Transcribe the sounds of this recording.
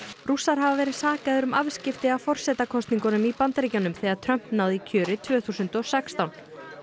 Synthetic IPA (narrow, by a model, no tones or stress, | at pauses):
rusaɾ̥ɦavavɛːɾɪðsaːkaðʏɾʏmavscɪft̪ɪawfɔr̥sɛːt̪akʰɔst̪niŋkɔnʏmipant̪ɾicawnʏmθɛaɾt̪ʰɾœm̥pnawðicʰœːɾɪt̪ʰvœːθusʏnt̪ɔɣsɛkst̪awn